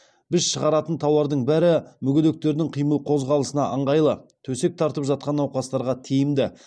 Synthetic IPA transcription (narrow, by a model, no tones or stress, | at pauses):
b̥ɪzʃəʁɑɾɑt̪ənt̪ʰɑwɑɾd̪əɴbæɾɪmʏɡʲed̪e̞k̚t̪e̞ɾd̪ɪŋqʰijməlˠqʰo̞zʁɑlˠəsənɑʔəɴʁɑjlˠət̪ʰɵse̞k̚t̪ʰɑɾt̪əpʒɑt̪̚qɑnɑwqɑst̪ɑɾʁɑt̪ʰejɪmd̪ɪ